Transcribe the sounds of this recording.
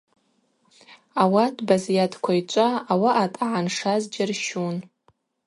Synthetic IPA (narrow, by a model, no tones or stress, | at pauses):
awadʰʼbazijatʰkʷʰait͡ʃʷʼaːwaʔatʼaʕanʂazd͡ʒarʃun